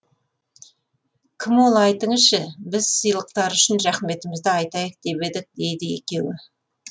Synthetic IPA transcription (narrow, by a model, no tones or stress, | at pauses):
kʲʰɪmwo̞lˠɑjt̪əɴəzʃɪbɪzsijlˠəq̚t̪ɑɾʏʃɪnɾæχme̞t̪ɪmɪzd̪ɪɑjt̪ɑjəq̚d̪e̞be̞d̪ɪk̚d̪e̞jd̪ɪe̞̰kʲe̞wɪ